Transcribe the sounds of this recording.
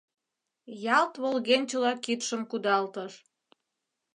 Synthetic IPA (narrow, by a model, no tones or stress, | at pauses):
jɑlt̪βolɣenʲt͡ɕə̆lɑkit̪ʃəmkud̪ɑlt̪əʃ